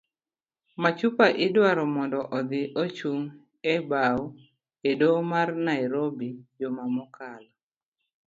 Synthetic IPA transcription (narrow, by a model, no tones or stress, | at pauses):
mat͡ʃupaʔɪdwaɾɔmɔndɔʔɔd̪ɪʔot͡ʃuŋ | ɛbaw | edomarnajɾobid͡ʒɔmamɔkala